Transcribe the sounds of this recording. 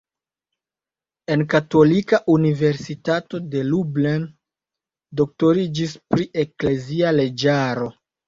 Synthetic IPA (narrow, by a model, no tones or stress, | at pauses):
e̞nkato̞likaʔunive̞ɾsitato̞de̞lublen | do̞k̚to̞ɾid͡ʒispɾiʔe̞kle̞ziale̞d͡ʒaɾo̞